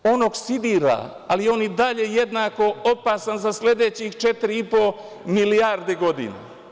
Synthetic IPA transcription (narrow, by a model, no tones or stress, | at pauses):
o̞noːɡsid̪iːɾa̰ | alijeo̞ːnjid̪aʎe̞jed̪nako̞opasanzasle̞d̪et͡ɕixt͡ʃet̪iɾiipo̞ | miliaɾd̪eɡo̞d̪ḭna̰